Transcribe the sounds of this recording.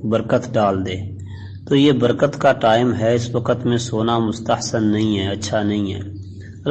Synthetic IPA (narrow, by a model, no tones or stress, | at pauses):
bəɾkət̪ɖaːld̪eː | t̪oːjebəɾkət̪kaʈaːɪmɦɛɪswɐkət̪mẽsoːnamʊst̪əhsənːɐɦĩɦɛɐtːʃʰanɐɦĩɦɛ̰ː | ɐl